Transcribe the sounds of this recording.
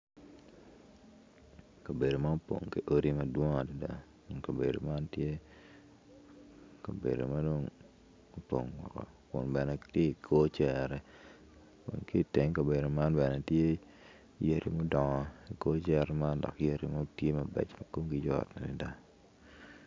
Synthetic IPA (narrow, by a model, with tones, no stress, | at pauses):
ka˨be˨do˨ma˦o˦po̰˨ŋke˦ʔo˦ɾi˦mɐ˨dwo˦ŋa˨di˦da̰˦ | o˨ŋka˨bḛ˨do˨ma˦ntje˦ | ka˨bḛ˨do̰˨ma˦do˦ŋ | o˦po̰˨ŋwɔ̰˨kɔ̰˨ | kʊ̰˨nbɛ˨nɛ˨tje˦i˨kʰo˦t͡ʃɛ˦ɾɛ˦ | o̰˨nki˦˨te˨ŋka˨be˨do˨ma˦nbɛ˨nɛ˨tje˦ | je˦ɾḭ˦mo˦dɔ˨ŋɔ˨i˨ko˦t͡ʃɛ˦ɾɛ˦ma˦ndɔ̰˨kje˦ɾi˦ma˦tje˦mɐ˨bɛ̰˨t͡ʃmɐ˨ko˦mɡi˦d͡ʒɔ̰˦˨tna˨di˨˦da˦